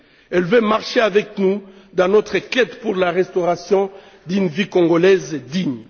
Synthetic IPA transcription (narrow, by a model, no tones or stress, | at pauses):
ɛlvømaʁʃeavɛk̚nu | d̪ɑ̃nɔt̪χəkɛt̪puʁlaʁɛst̪ɔʁasjɔ̃ | d̪ynvilkɔ̃ŋɡolɛzd̪iɲ